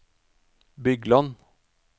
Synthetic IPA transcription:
bʏɡlɑn

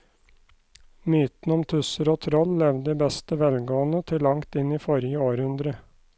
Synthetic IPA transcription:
myːt̪n̩ɔmt̪ʰʉsəɾoːt̪ʰɾɔllɛʋd̪əːbɛst̪əʋɛlɡoːənət̪ʰɪlːɑŋt̪ɪniːfɔɾjəoːɾhʉnd̪ɾə

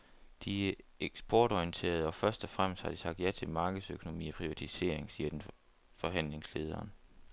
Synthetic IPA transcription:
d̥iæeɡ̥sb̥ɒːɾ̥ɒiənt͡sʰe̝̰ːɐð̞ˠɒ̽fɶɐsd̥ɒ̽fʁam̰sd̥hɑ̈d̥isɑ̈ɡ̥̚d̥jæt͡sʰe̝mɑ̈ːɡ̥ð̩ˠsøkʰo̝no̝mḭːɒpʰʁiʋæt͡sʰise̝̰ɐ̰eŋsiːɐd̥en | fɒ̽ɦæn̰le̝ŋsle̝ːð̞ˠɐːn

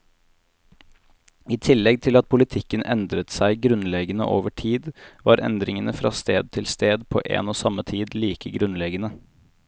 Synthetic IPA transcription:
iːt̪ʰɪlːɛɡ̚t̪ʰɪlɑt̪̚pʰʊlɪt̪ʰɪkənʔɛnd̪ɾət̪sæɪɡɾʉnlɛɡənə̰ʔoːʋəʈʰiːd̪ʋɑːɾʔɛ̰nd̪ɾɪŋənəfɾɑ̰ːst̪eːd̪̚t̪ʰɪlst̪eːd̪pʰo̰ːʔḛːnoːsɑmət̪ʰiːd̪liːkəɡɾʉnlɛɡənə

